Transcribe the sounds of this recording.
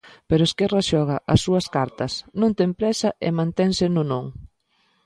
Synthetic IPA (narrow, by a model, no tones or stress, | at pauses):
peɾʊeskɛrɐʃɔɣɐʔɐsːuɐskaɾt̪ɐsnõŋt̪ɛmpɾɛsɐʔɪ̰mãnt̪ɛŋsɪnʊnõŋ